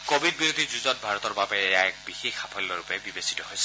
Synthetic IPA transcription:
kobʱid̚biɹod̪ʱizuzɔt̚bʱaɹɔt̪ɔɹbabɛːjaɛk̚bixexapʰɔlːɔɹupɛbibesi̥tɔɦojsɛ

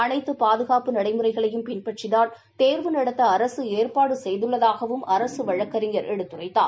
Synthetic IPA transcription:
ɐnɐɪt̪ːɯpaːðɯɣaːpɯnɐɽɐɪmɯrɐɪɣɐɭɐjɯmpɪnpɐʈrɪðaːɾ | t̪eːɾʋɯnɐɽɐt̪ːɐːɾɐsɯeːrpaːɽɯsɛjðɯɭːɐðaːɣɐʋɯmɐɾɐsɯʋɐɻɐkːɐɾɪŋɡɐɾʔɛɽɯt̪ːɯrɐɪt̪ːa̰ː

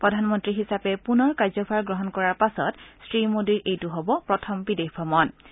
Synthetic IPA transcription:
pɹɔdʱanmɔntɹiɦisapɛpunɔɹkazɔpʰaɹɡɹɔɦɔnkɔɹaɹpasɔtsɹimodiɹʔejtuɦɔbɔpɹɔtʰɔmbidexbʱɔmɔn

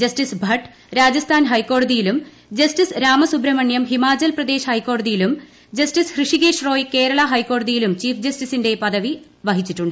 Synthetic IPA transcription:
d͡ʑɐstisbʱɐʈː | ɾaːd͡ʑɐst̪ʰaːnɦɐjkːo̞ːɽɐðijilum | d͡ʑɐstisɾaːmɐsubɾɐmɐɳjɐmɦimaːt͡ɕɐlprɐd̪e̞ːɕɐhɐjkːoːɽɐðijilum | d͡ʑɐstishrɨʂiɣe̞ːʂro̞ːjke̞ːɾɐɭɐɦɐjkːo̞ːɽɐðijilumt͡ɕiːfd͡ʑɐstisinde̞pɐðɐʋi | ʋɐɦit͡ɕːiʈːuɳɖɨ

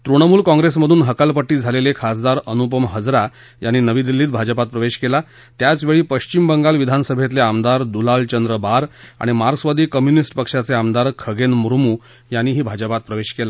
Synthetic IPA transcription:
t̪ɾuɽ̃əmuːlkɔ̃ŋɡɾes̬məd̪ʱuːnɦəkalpəʈːiːd͡zʱalelekʰas̬d̪aɾənup̬əmɦəd͡zɾa | janːiːnəʋiːd̪ilːiːt̪̚bʱad͡ʑəpat̪̚pɾəʋeɕkela | t̪jat͡sʋeɭiːpəɕt͡ɕimbəŋɡalʋid̪ʱanəsəbʱet̪leamd̪aɾd̪ulalt͡ɕənd̪ɾəbaɾa̰ɽ̃imaɾɡəsʋad̪ʱiːkəmjunisʈpəkʂat͡seamd̪aɾkʰəɡenmuɾmuː | janːiːɦiːbʱad͡ʑəpat̪̚pɾəʋeɕkela

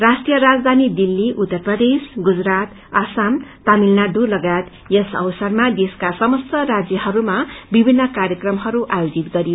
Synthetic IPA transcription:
rasʈijʌɾad͡zd̪ʱanid̪ilːiʔut̪ːʌrprʌd̪esɡud͡zɾat̪ | asamt̪amilnaɖulʌɡat̪ | jʌsʌ̰wsʌrmad̪eskasʌmʌst̪ʌrad͡zjʌhʌɾumabibʱinːʌkaɾjʌkrʌmɦʌɾuʔajod͡zit̪ɡʌɾijo

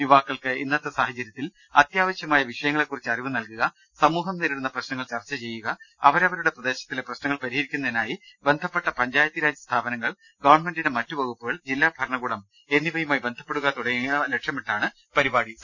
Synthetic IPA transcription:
juʋaːkːɐɭkɨinːɐt̪ːɨsaːhɐt͡ɕːɐɾjɐt̪ːil | ɐt̪jaːʋɐɕjɐmaːjɐʋiʂɐjɐŋːɐɭekːurit͡ɕːɐriʋɨnɐlkuɣɐ | sɐmuːɦɐmt̪iɾiɽunːɐprɐɕnɐŋːɐɭt͡ɕɐrt͡ɕːɐt͡ɕe̞jːuɣɐɐʋɐɾɐʋɐɾuɽe̞prɐd̪e̞ːɕɐt̪ːileprɐɕnɐŋːɐɭpɐɾiɦɐɾikʲːunːɐðinaːjibe̞nd̪ʱɐpːe̞ʈːɐpɐɲd͡ʑaːjɐt̪ːjiɾaːd͡ʑjɐst̪ʰaːbɐnɐŋːɐɭ | ɡɐʋɐrɳme̞ndinemɐtːuʋɐɣupːuɣɐɭd͡ʑilːaːbʱɐɾɐɳɐɡuːɽɐm | e̞nːibʱɐjumaːjibe̞nd̪ʱɐpːe̞ɽuɣɐt̪uɽɐŋɐleʈʂjɐmeʈːaːɳɨ | pɐɾibaːɽi

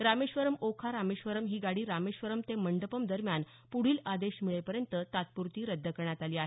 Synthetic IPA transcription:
ɾameɕʋəɾəmokʰaɾameɕʋəɾəmɦiːɡaɽiːɾameɕʋəɾəmt̪eməɳɖəpəmd̪əɾmjan | puɽ̤iːlad̪eɕmiɭepəɾjənt̪ət̪at̪̚puɾt̪iːɾəd̪ʱːəkəɳjat̪aliːaɦe

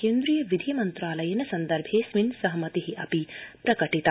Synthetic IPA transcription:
keːnd̪ɾijɐʋid̪ʱijɐmɐnt̪ɾaːlɐjɐnɐsɐnd̪ɐɾbʱeːsʋinsɐɦmɐt̪iɦiʔɐpipɾɐkɐʈit̪a

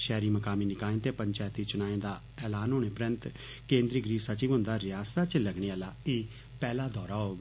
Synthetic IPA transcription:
ʃɛːɾiːməkaːmiːnɪkaːẽːt̪eːpəɲt͡ʃaːjt̪iːt͡ʃʊnaːẽːd̪aː | ɛːlaːnɦʊːneːpɾənt̪ | kẽːnd̪ɾiːɡɾiːsət͡ʃiːʋɦʊ̃nd̪aːɾɪjaːst̪aːt͡ʃləɡɽ̃eːalaːeː | pɛːlaːd̪ɔːɾaːɦoːɡ

